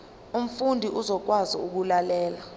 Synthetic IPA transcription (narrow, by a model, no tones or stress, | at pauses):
um̩fundʱiʔuzɔk̬wazḭuk̬ulalɛːla